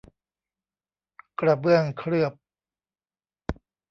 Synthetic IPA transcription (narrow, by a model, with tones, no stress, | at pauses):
kɾa˧bɯ˥˩əŋkʰɾɯ˥˩əp̚